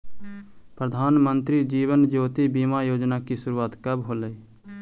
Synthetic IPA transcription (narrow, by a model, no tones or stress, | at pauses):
pɾəd̪ʱaːnmə̃nt̪ɾid͡ʒiːʋənd͡ʒoːt̪ibiːmajoːd͡ʒnakisʊɾuːaːt̪kəbɦoːləi